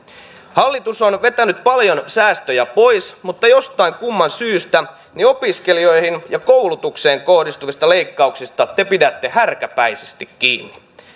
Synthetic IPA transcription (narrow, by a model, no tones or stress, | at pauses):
hɑlːit̪usonʋe̞t̪ænyt̪̚pɑljo̞nsæːst̪øjæpo̞jsmut̪ːɑjo̞st̪ɑiŋkumːɑnsyːst̪æ | nio̞piskelio̞jhinjɑkowlut̪ukseːŋko̞hdist̪uʋist̪ɑle̞ikːɑuksist̪ɑt̪e̞pidæt̪ːe̞hærkæpæise̥st̪ikːḭːnːi